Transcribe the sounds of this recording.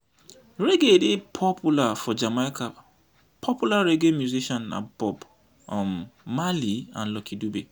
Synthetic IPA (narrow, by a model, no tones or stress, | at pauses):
ɾeɡedipʰɔpʰulafɔd͡ʒamakʰa | pʰɔpulaɾeɡemjuziʃɔ̃na̰bɔb | ɔ̃mmaliã̰nlɔkʰidube